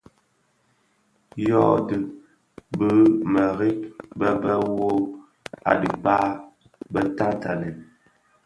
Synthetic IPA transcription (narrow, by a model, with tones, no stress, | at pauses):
jɔ˦də˨ | bə˦mə˨ɾi˦k̚bə˦bə˦wo˦ | a̰˨ɗḭ˨ba˦ | bə˦ta˦ta˨le˨